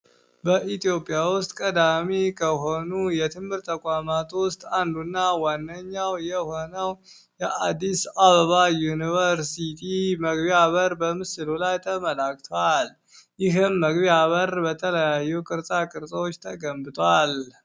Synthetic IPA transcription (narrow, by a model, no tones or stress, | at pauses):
bəʔit̪ʰijo̞pʼːijawʊst̪ʼkʼəd̪amekʰəɦo̞nujɛt̪ʰɨmhɨɾt̪ʰːəkʷʼamat̪ʰʼwʊst̪ʼand̪unːawanːəɲːawjɛho̞nəw | jɛʔad̪ːisaβəβajunivəɾsit̪ʰiməɡbiaβəɾbəmɨsɨlulajt̪ʰəməlak̚ʼt̪ʰoal | jɪɦɨmːəɡβiaβəɾbət̪ʰələjajːukʼɨɾsʼakʼɨɾsʼwot͡ʃːt̪ʰəɡəmbɨt̪ʼal